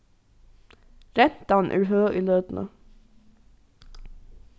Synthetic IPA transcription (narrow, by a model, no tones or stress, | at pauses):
ɾɛnt̪ɑn̩ʔæ̰ːɹɦøːʔiːløːd̪n̩ʔə̰